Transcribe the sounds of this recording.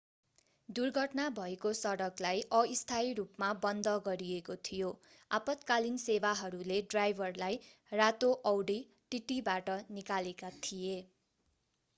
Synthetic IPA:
d̪urɡʱʌʈnabʱʌekosʌɽʌklajʔʌist̪ʰaiɾupmabʌnd̪ʌɡʌɾiekot̪ʰijo | apʌt̪kalinsebaɦʌɾuleɖrajbʱʌrlaj | rat̪oʔʌwɽi | ʈiʈibaʈʌnikalekat̪ʰije

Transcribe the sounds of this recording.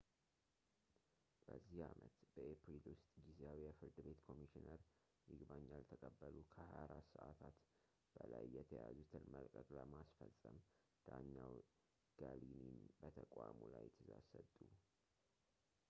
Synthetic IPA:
b̥əzːihamʔət̪b̥əʔepɾilwʊst̪ʼɡizeawijafɨɾd̪ɨbe̞t̪kʰo̞miʃinəɾ | jɪɡbaɲːalt̪ʰəkʼəbːəlukʰəhajaɾasəʔat̪ʰat̪ | b̥əlajːɛt̪ʰəjazut̪ʰɨnməlkʼəkʼləmasfəsʼəm | d̪̥aɲːaw | ɡ̥alininbət̪ʰəkʼamulajːɛt̪ʰːəzasət̪ʼu

